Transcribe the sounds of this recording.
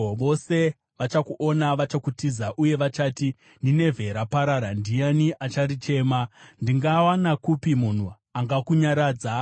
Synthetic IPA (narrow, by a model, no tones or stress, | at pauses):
ʋo̞se̞ | ʋat͡ʃakuʔo̞naʋat͡ʃakutizaʔuje̞ʋat͡ʃaːti | ndine̞vʱe̞ɾapaɾaɾandijaniʔat͡ʃaɾit͡ʃe̞ːmandiŋɡawanakupimun̤u | aŋɡakuɲaɾaːd͡za